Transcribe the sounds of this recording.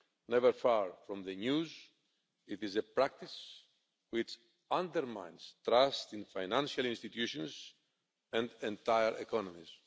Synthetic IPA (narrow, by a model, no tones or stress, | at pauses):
nɛvəɾfaɹfɾõmðənuz | it̪izepɾak̚t̪is | wit͡ʃ | ãnd̪əɾmã̰j̃nz̥t̪ɾast̪ĩnfajnãnʃalĩnst̪it̪juʃõnz | ɛ̃nd̪ẽnt̪ajəɹʔḛkɔnomiz̥